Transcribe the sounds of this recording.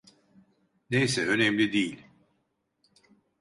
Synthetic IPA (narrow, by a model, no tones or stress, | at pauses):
nejsɛø̞nɛmlʲid̪ijilʲ